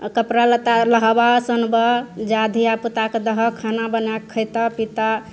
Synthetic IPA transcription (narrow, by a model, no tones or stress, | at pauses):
kəpɾalət̪aləɦbasənbəd͡ʒad̪ʱiaput̪aked̪əɦəkʰanabənakʰːəjt̪apit̪a